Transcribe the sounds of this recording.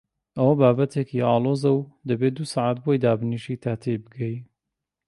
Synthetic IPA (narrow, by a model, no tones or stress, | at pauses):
ʔɐwɐbaːbɐt̪ʰekiɑːlˠoːzɐwd̪ɐbed̪usaʕat̪̚bojd̪aːbɨniʃit̪ʰaːt̪ʰejbɨɡɐj